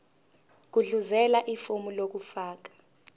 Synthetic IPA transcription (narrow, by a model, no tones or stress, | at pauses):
k̬uɮuzɛlaʔifumulok̬ufaːk̬ḁ